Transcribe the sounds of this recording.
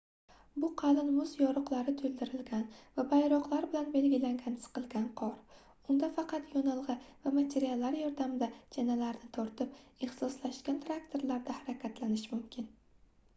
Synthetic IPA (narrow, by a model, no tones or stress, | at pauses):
bʊqʰɑlɪnmʊzjɒɾʊqlˠaɾɪt̪ʰolˠd̪ɪɾɪlɡʲanvabajɾɒqlˠaɾbɪlanbe̞lɡʲɪlaŋɡʲan̥qɨlˠɡʲanqʰɒɾ | ʊnd̪afɑqʰɑt̪jɒnɨlˠʁɨvamat̪ʰe̞ɾialˠːaɾjɒɾd̪amɪd̪ad͡ʒanalaɾnɪt̪ʰɒɾt̪ʰɪpeχsɒslaʃɡʲant̪ʰɾak̚t̪ʰo̞ɾlaɾd̪ahaɾakʲʰat̪lanɪʃmʊmkʲʰɪn